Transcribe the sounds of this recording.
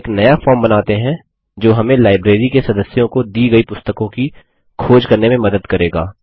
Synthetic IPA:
knɐjafɔːɾmbɐnaːt̪eɦɛ̃ | d͡ʒoːɦɐmẽlaːɪbɾeːɾikesɐd̪əsjõkod̪iːɡɐipʊst̪əkõki | kʰoːd͡ʒkɐɾnemẽmɐd̪əd̪kɐɾeːɡa̰ː

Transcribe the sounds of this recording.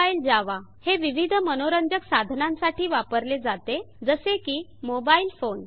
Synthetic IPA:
aild͡ʑaʋaheʋiʋid̪ʱmənoɾənd͡ʑəksad̪ʱnãmsaʈiːʋapəɾled͡zat̪e | d͡zəsekiːmobailfon

